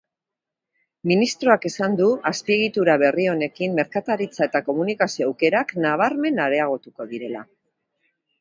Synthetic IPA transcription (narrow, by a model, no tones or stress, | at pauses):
minist̪ɾoake̞sand̪uaspie̞ɣit̪uɾaβ̞e̞rio̞ne̞kimːe̞ɾkat̪aɾit͡sae̞t̪ako̞munikasio̞awke̞ɾaknaβ̞aɾme̞naɾe̞aɣ̞o̞t̪uko̞ðiɾe̞la̰